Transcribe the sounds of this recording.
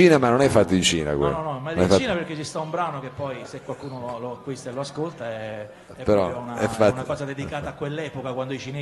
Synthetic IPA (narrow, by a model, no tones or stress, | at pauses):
iːnemanonɛfːat̪ːoint͡ʃiːna̰kwḛnɔnɔmanɛfat͡ʃiːnaperket͡ʃist̪aumbɾaːnokepːɔjsekːwalkuːnololoakːwist̪eloaskolt̪aɛ | ɛpːpeɾɔunaɛfaunakɔːzad̪ed̪ikaːt̪aːkːwelːɛːpokakwand̪oijt͡ʃineː